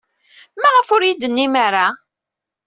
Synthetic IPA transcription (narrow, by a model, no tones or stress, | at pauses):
mæʁəfʊɾjid̪ənːimaɾa